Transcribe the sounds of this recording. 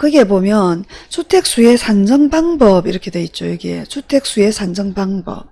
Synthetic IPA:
kɯɡe̞bomjʌnsʰutʰe̞k̚s͈ue̞sʰand͡ʑʌŋbaŋbʌbiɾʌkʰe̞dwe̞it̚t͡ɕ͈ojiɡesʰutʰe̞k̚s͈ue̞sʰand͡ʑʌŋbaŋbʌ̰p̚

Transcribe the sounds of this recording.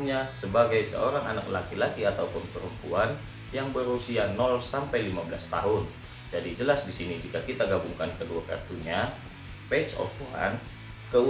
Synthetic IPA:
ɲasəbaɡajsə̰oɾaŋa̰nak̚lakilakiat̪awpəmpəɾumpuan | jaŋbəɾusianɔlsampajlimabəlast̪a̰ɦʊn | d͡ʒadid͡ʒəlasdisinid͡ʒikakit̪aɡabuŋkankəduaka̰rt̪uɲa | pet͡ʃɔ̰p̪uɦa̰n | kəw

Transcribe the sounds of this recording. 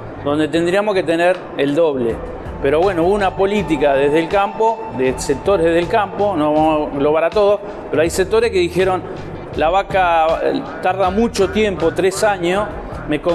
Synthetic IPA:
d̪o̞nd̪e̞t̪e̞nd̪ɾiamohket̪eneɾ | eld̪o̞βle | peɾo̞βwe̞nouunapo̞lit̪ikaðeɦðelkampo̞ | ðesek̚t̪o̞ɾeðeðelkampo̞noβamoɣlo̞βaɾat̪o̞ð̞o̞ | peɾo̞ajsek̚t̪o̞ɾehke̞ðixeɾo̞n | laβaka | t̪aɾðamut͡ʃo̞t̪je̞mpot̪ɾesaɲos | meko

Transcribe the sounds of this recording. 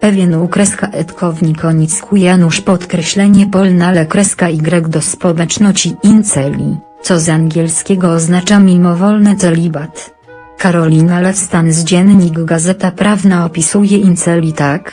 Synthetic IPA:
pɛvʲjɛnukɾɛskaʔɛt̪kʰɔvɲikɔɲiskʰujanuʂpɔt̪kɾɛɕlɛɲɛpɔlnalɛkɾɛskaiɡɾɛɡd̪ɔspɔwɛt͡ʂnɔt͡ɕiint̪sɛlʲḭt̪sɔzaŋɡʲjɛlskʲɛɡɔːznat͡ʂamʲimɔvɔlnɛt̪sɛlʲibat̪ | kaɾɔlʲinalɛst̪anzd͡ʑɛnɲiɡɡazɛt̪apɾavnaɔpʲisujɛʔint̪sɛlʲit̪ak

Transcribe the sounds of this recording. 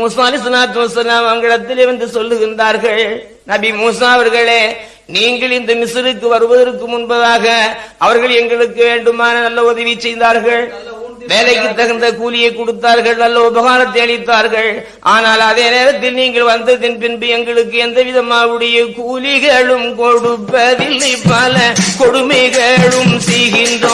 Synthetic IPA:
muːsaːɐlɐɪs̬ɐlaːt̪ːmɐsɐlaːmɐɐŋɡɛɽɐt̪ːɪleːʋɐnd̪ɯsɔlːɯɣɪnraːɾɣɐɭ | nɐbimuːsaːɐʋɐɾɣɐɭeː | niːŋɡɐɭɪnd̪ɐmɪsɯɾɯkːɯʋɐɾɯʋɐðɐɾɯkːɯmʊnbɐðaːɣɐʔɐʋɐɾɣɐɭɛŋɡɐɭɯkːɯʋeːɳɖɯmaːnɐnɐlːɐʊðɐʋɪt͡ʃːɛjnd̪aːɾɣɐɭ | ʋeːlɐɪkːɯt̪ːɐɣɐnd̪ɐkuːlɪjɐɪkːɔɽɯt̪ːaːɾɣɐɭnɐlːɐɔbɐɣaːɾɐt̪̬ːɐɪɐɭɪt̪ːaːɾɣɐɭ | ʔaːnaːlɐðeːneːɾɐt̪̬ːɪlniːŋɡɐɭʋɐnd̪ɐðɪnpɪnbɯɛŋɡɐɭɯkːɯɛnd̪ɐʋɪðɐmaːʋɯɽɐjɐkuːlɪɣɐɭɯmkɔɽɯpːɐðɪlːɐɪpːaːlɐkɔɽʊmɐɪɣɐɻɯmsɛjɣɪndro

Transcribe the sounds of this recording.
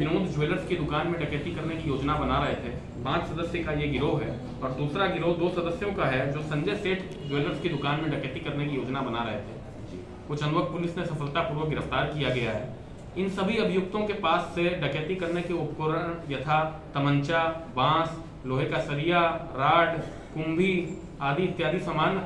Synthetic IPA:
ʋɪnoːd̪ʱd͡ʒweːləɾskid̪ʊkaːnmẽɖɐkeːʈikɐɾnekijoːd͡ʒnabɐnaɾɐɦet̪ʰeː | pãːt͡ʃsɐd̪əsjəkajeɡɪɾoːɦɛː | ɔːɾd̪uːsɾaɡɪɾoːd̪oːsɐd̪əsjõkaɦɛd͡ʒoːsɐ̃ɲd͡ʒəseːʈ | d͡ʒweːləɾskid̪ʊkaːnmẽɖɐkeːʈikɐɾnekijoːd͡ʒnabɐnaɾɐ̰ɦet̪ʰeː | kʊt͡ʃʰə̃nd̪ʋək̚pʊlɪsnesɐfəlt̪apuːɾwəɡɪɾəft̪aːɾkijaɡɐjaɦɛː | ɪnsɐbʱiɐbʱɪjʊk̚t̪õkepaːsːeɖɐkeːt̪ikɐɾnekeʊpkoɾəɽ̃jɐt̪ʰa | t̪ɐmə̃ɲt͡ʃabãːs | loːɦekasɐɾijaɾaːɖ | kʊ̃mbʱi | aːd̪ʱiɪt̪ːjaːd̪ʱisəmaːn

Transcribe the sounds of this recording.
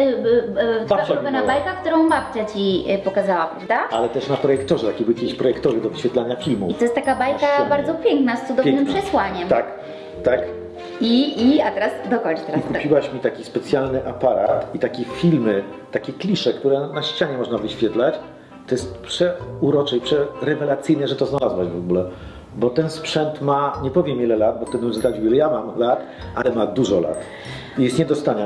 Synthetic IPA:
t̪aaaɔvɛnabajkak̚t̪uɾɔ̃w̃map̚t͡ɕat͡ɕipɔkazawapɾavd̪aalɛt̪ɛʂnapɾɔjɛkt̪ɔʐɛt̪akʲibɘwjakʲeiɕpɾɔjɛkt̪ɔvɘd̪ɔvɘɕfʲɛt̪laɲafʲilmuit̪ɔjɛst̪akabajkabaɾd̪zɔpʲjɛŋknast̪sud̪ɔvnɨmpʂɛswaɲɛmt̪ak | t̪ak | iːat̪ɛɾasd̪ɔkɔɲt͡ʃt̪ɛɾaisupʲiwaɕmʲit̪akʲispɛt̪sʲjalnɘʔapaɾa̰t̪it̪akʲɛfʲilmɘ | t̪akʲɛklʲiʂɛkt̪uɾɛnaɕt͡ɕaɲɛmɔʐnavɘɕfʲjɛt̪lat͡ɕ | t̪ɔjɛst̪̚pʂɛuɾɔt͡ʂɛipʂɛɾɛvɛlat̪sɘjnɛʐɛt̪ɔznalazwad͡ʑvɔɡulɛ | bɔt̪ɛnspʂɛnt̪maɲɛpɔvʲjɛmʲjilɛlad̪̚bɔft̪ɛd̪zd̪ad͡ʑwʲjilɛjamamlat̪ | ʔalɛmad̪uʐɔla̰t̪ | ijɛst̪ɲɛd̪ɔst̪aɲa

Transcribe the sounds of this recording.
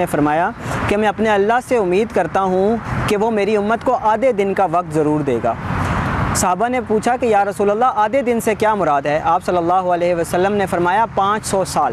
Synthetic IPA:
efɐɾmaːjakemɛ̃ɐpneɐlːaɦseʊmːiːd̪kɐɾt̪aɦũkeʋomeːɾiʊmːət̪koʔaːd̪ed̪ɪnkaʋɐk̚t̪zɐɾuːɾd̪ḛːɡa̰ː | sɐɦaːbanepuːt͡ʃʰakejaːɾɐsuːləlːaaːd̪ed̪ɪnsekjaːmʊɾaːd̪ɦɛːʔaːpsɐlːəlːaːɦoəlɛːɦʋəsəlːəmnefɐɾmaːjapãːt͡ʃsɔːsaːl

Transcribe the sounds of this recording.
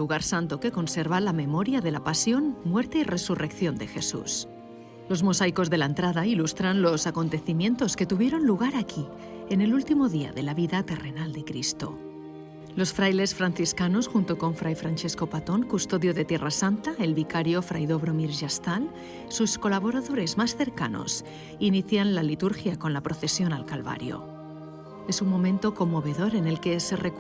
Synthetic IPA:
uɣaɾsant̪o̞ke̞ko̞nse̞ɾβalame̞mo̞ɾjaðe̞lapasjo̞nmwe̞ɾt̪e̞ire̞surʔe̞kθjo̞nd̪e̞xe̞sṵs | lo̞zmo̞sajko̞zðe̞laent̪ɾaðailust̪ɾanlo̞sako̞nt̪e̞θimjẽ̞nt̪o̞ske̞t̪uβ̞je̞ɾo̞nluɣ̞aɾakʰi | e̞ne̞lult̪imo̞ðia̰ðe̞laβiðat̪e̞re̞nald̪e̞kɾḭst̪o̞̰ | lo̞sfɾajle̞sfɾanθiskano̞sxunt̪o̞ko̞ɱfɾajfɾanʲt͡ʃe̞sko̞pat̪o̞ŋkust̪o̞ðjo̞ðe̞t̪je̞rasant̪ae̞lβikaɾjo̞fɾʔa̰jðo̞βɾo̞miɾʒast̪al | susko̞laβ̞o̞ɾaðo̞ɾe̞zmasθe̞ɾka̰no̞̰s | iniθjanlalit̪uɾxjako̞nlapɾo̞θe̞sjo̞nalkalβa̰ɾjo̞̰ | e̞suŋmõ̞mẽnt̪o̞ko̞mːo̞βe̞ðo̞ɾe̞ne̞lke̞sere

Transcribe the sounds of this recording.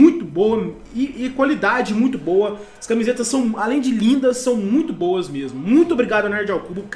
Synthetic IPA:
ũj̃t̪ʊboɐ | ɪɪkwalid̪ad͡ʒɪmũj̃t̪ʊbowɐ | ɐskamizet̪ɐssːɐ̃w̃alẽj̃d͡ʒɪlĩnd̪ɐsːɐ̃w̃mũj̃t̪ʊbowɐzmezmʊmũj̃t̪ʊobɾiɡad̪ʊɐnɛɾd͡ʒawkubʊk

